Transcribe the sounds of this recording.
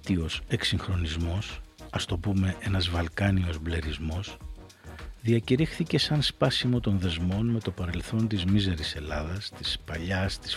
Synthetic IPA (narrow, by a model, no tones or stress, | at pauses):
t̪io̞se̞ksiŋxɾo̞nizmo̞sɐst̪o̞pume̞ʔe̞nɐzvɐlkɐnio̞zble̞ɾizmo̞s | ðiɐciɾixθice̞sɐnspɐsimo̞t̪o̞nðe̞zmo̞nme̞t̪o̞pɐɾe̞lθo̞nt̪izmize̞ɾise̞lɐðɐst̪ispɐʎɐst̪i̥s